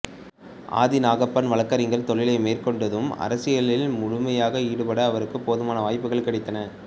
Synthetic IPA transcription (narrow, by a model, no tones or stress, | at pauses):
ʔa̰ːðɪnaːɣɐpːɐnʋɐɭɐkːɐɾɪŋɡɐɭt̪ɔɭɪlɐɪmeːrkɔɳɖɐðɯmɐ̰ɾɐsɪjɐɭɪlmʊɻʊmɐjaːɣɐiːɽɯpɐɽɐːʋɐɾɯkːɯpːoːðɯmaːnɐʋaːjpːɯɣɐɭkɪɽɪt̪ːɐnɐ